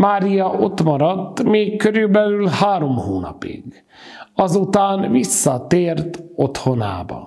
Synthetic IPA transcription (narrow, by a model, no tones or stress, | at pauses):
maːɾijɒʔot̪mɒɾɒt̪ːmeːkːøɾybɛlylhaːɾo̞mhoːnɒ̰pḭɡ | ɒzut̪aːnvisːɒt̪eːrt̪o̞t̪ho̞na̰ːbɒ̰